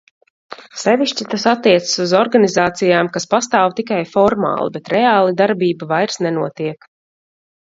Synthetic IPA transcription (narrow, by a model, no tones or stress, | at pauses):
sɛviʃt͡ʃit̪asat̪ːiɛt̪sə̥suzɔɾɡanizaːt̪sijaːmkaspast̪aːwt̪ikajfɔɾma̰ːlˠḭbɛt̪ɾɛaːlˠid̪aɾbiːbavajɾsnɛnuɔt̪iɛk